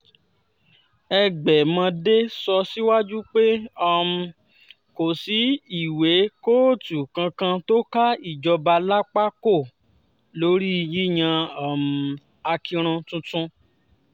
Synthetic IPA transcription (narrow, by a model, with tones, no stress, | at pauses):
ɛ˧ɡ͡bɛ˨mã˧de˦sɔ˧si˦wa˦d͡ʒu˦k͡pe˦ɔ˦˨m˨˧ | ko˨si˨˦i˦˨we˨˦ko˦˨tu˨kã˧kã˧to˦ka˦i˦˨d͡ʒɔ˧ba˧la˦k͡pa˦ko˦˨ | lo˦ɾi˦i˧ji˦j̃ã˧a˦˨m̩˨ | a˧ki˧ɾ̃ũ˧tũ˧tũ˧